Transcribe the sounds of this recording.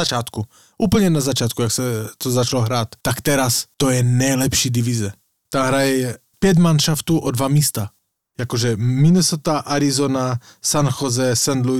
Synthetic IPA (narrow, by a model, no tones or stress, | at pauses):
at͡ʃaːt̪ku | ʔuːpl̩ɲɛnazat͡ʃaːt̪̚kujaksɛt̪ozat͡ʃaloɦɾaːt̪t̪akt̪ɛɾast̪ojɛnɛjlɛpʃiːd̪ivizɛ | t̪amɦɾajɛ | pjɛɟ̪manʃaft̪uːʔod̪vamiːst̪a | jakoʒɛminɛsot̪aʔaɾizona | sanxozɛsɛnd̪lu